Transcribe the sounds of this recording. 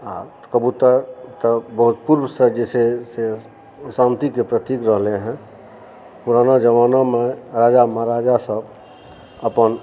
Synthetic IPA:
a̰ | kəbut̪əɾt̪əbəɦut̪puɾbsəd͡ʒɛsese | sãnt̪ikepɾət̪ikɾəɦleɦɛ̃ | puɾanad͡ʒəʋaːnameɾaːd͡ʒamaɾaːd͡ʒasəb | əpən

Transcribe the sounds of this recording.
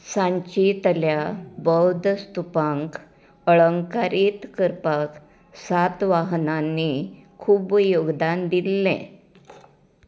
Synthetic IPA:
sãɲt͡ɕit̪əljabəwd̪st̪upaŋk | əɭəŋkaɾit̪kəɾpək | sat̪ʋaɦnanːikʰuːbjoɡd̪and̪ilːɛ̰̃

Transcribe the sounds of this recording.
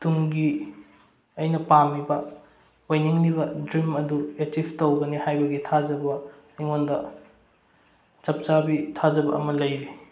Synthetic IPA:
tuŋɡi | ɐjnɐpamibɐ | wajniŋlibɐdɾimɐduetibʰtowɡɐnihajbɐɡitʰad͡ʒɐbɐ | ijŋondɐ | t͡ʃɐp̚t͡ʃabitʰazɐbɐɐmɐlɐjbi

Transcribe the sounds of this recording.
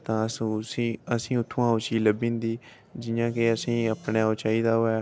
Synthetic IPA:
t̪ãːssiːəsĩːʊt̪ʰːõãːʊt͡ʃiːləbĩːnd̪iː | d͡ʒɪjãːkeəsĩːəpneːoːt͡ʃaːiːd̪aːɦoːɛː

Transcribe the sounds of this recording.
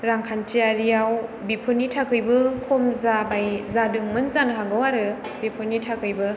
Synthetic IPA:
ɾaŋkʰantʰijaɾijawbipʰɯnitʰakʰɯjbɯkʰomzabajzadɯŋmɯnzanɦaŋɡɯwaɾɯ | bipʰɯnːitʰakʰɯjbɯ

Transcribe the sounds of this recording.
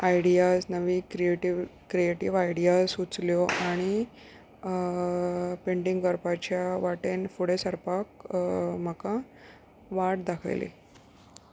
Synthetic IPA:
ajɽijasnəʋiːkɾieʈiʋkɾieʈiʋajɽijasut͡sljɔʔaɽ̃i | peɳɖiŋɡəɾpat͡ɕjaʋaʈenfuɽesəɾpak̚m̤əka | ʋaʈ̚d̪akʰə̰jlḛ

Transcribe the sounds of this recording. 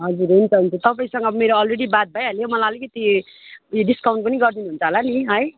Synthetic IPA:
ɦʌd͡zuɾʌunt͡sʰʌɦunt͡sʰut̪ʌpaĩsʌŋɡʌbʌmeɾoʌlreɽibat̪̚bʱajɦʌlomʌlaʌlikʌt̪i | joɖiskawɳʈ̚pʌniɡʌrd̪inuɦunt͡sʰʌɦolaniɦʌj

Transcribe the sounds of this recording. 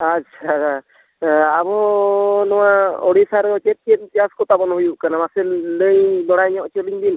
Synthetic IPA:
at͡ʃʰaa | abɔnɔwaɔɽisaɾɔt͡ʃɛt̪̚t͡ʃet̪̚tiaskɔt̪abɔnɦujuʔkanamasɛlləjd̪ɔɽajɲɔʔt͡ʃəliŋd̪in

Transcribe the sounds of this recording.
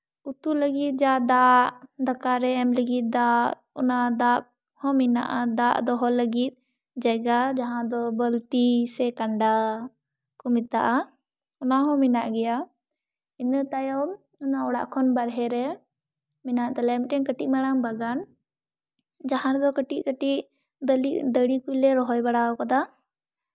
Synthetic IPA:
ut̪uləɡit̪̚ˀd͡ʒad̪aʔd̪akaɾɛɛmləɡit̪̚d̪a | ɔ̰nad̪ak̚ | hɔ̃mina̰ʔad̪aʔd̪ɔɦɔləɡit̪̚ˀ | d͡ʒaɡad͡ʒaɦãd̪ɔbəlt̪isɛkaɳɖa | kɔmit̪aʔa | ɔnaɦɔ̃mɛnaʔɡɛja | inət̪ajɔm | ɔnaɔɽaʔkʰɔnbaɾɦɛɾɛ | mɛnaʔt̪ɛlɛmʈɛnkəʈiʔ̚maɽaŋbaɡan | d͡ʒaɦãɾɛd̪ɔkəʈiʔkəʈiʔ̪ | lid̪əɽikujlɛɾɔɦɔjbaɽaɔkad̪a

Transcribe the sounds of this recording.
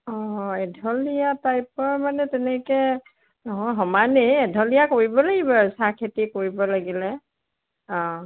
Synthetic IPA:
ɔ̃ɛdʱɔlijatajp̚ɔɹmanɛtɛnɛkɛ | nɔɦɔjɦɔmaneɛdʱɔlijakoɹibɔlaɡibɔasakʰetikoɹibɔlaɡilɛ | ɔ̃

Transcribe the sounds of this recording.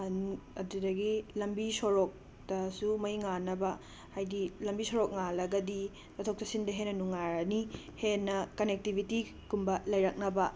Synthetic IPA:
nɐdudɐɡilɐmbisoɾok̚ | tɐsumɐjŋanɐbɐ | hajdilɐmbisoɾok̚ŋalɐɡɐdi | tɐtʰok̚tɐsindɐɦenːɐnuŋaɾɐnihenːɐkɐnek̚tibʱiti | kumbɐlɐjɾɐk̚nɐbɐ

